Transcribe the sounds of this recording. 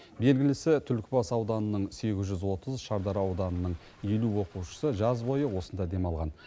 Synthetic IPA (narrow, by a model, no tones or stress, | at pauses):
be̞lɡʲɪlɪsɪt̪ʰʏlkʲɪbɑsɑwd̪ɑnənəɴse̞ɡʲɪzʒʏzwo̞t̪ʰəzʃɑɾd̪ɑɾɑwd̪ɑnənəɴ | je̞luwo̞quwʃə̥səʒɑzbo̞jəwo̞sənd̪ɑd̪e̞mɑlˠʁɑn